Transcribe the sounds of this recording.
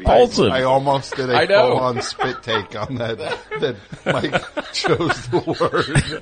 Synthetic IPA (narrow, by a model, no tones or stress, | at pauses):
polˠsə̃aɪɔlˠmoʊsd̥ɪɾɨɪnoə̃nspɪtʰeɪkn̩ðɨtðɨt̚maɪkt͡ʃʰoʊzðəwɜ̥˞